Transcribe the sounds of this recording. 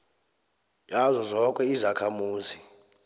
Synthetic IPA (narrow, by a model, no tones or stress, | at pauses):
jazɔzɔkʼɛizakʰamuːzi